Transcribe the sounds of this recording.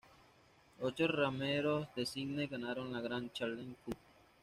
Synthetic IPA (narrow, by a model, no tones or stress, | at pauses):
ot͡ʃorameɾosd̪esiɡneɡanaɾonlaɣɾant͡ʃaleŋku